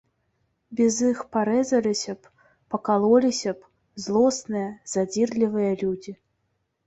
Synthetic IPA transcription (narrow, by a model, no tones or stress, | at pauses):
bʲɛzixpaɾɛzɐlʲisʲɐp | pɐkalˠɔlʲisʲɐp | zlˠɔsnɨjɐzad͡zʲirlʲivɨjɐlʲud͡zʲi